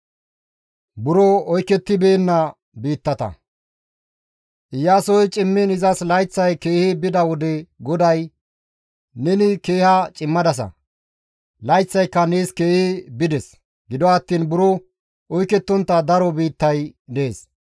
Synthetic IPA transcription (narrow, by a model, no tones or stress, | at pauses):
bʊɾɔɔjkɛt̪ːɪbe̞ːnːɐ | biːt̪ːɐt̪ɐ̰ | ʔɪjaːsɔjt͡ʃʼɪmːɪnɪzɐslɐjt͡sːɐjke̞ːhɪbɪd̪ɐwɔd̪ɛɡɔd̪ɐj | nɛnɪke̞ːhɐt͡ʃʼɪmːɐd̪ɐs̬ɐ̰ | lɐjt͡sːɐjkːɐneːske̞ːhɪbɪd̪ɛs | ɡɪd̪ɔɐːt̪ːiːnbʊɾɔ | ɔjkɛt̪ːɔnt̪ːɐd̪ɐɾɔbiːt̪ːɐjd̪eːs